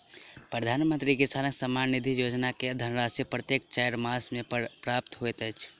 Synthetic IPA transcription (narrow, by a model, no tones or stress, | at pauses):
pɾəd̪ʱanmənt̪ɾikesaɾə̃ɡsəmanid̪ʱijod͡ʒnaked̪ʱənɾasipɾət̪jek̚t͡ʃajɾmasmepɾap̚t̪ɦojt̪əjt͡ʃʰ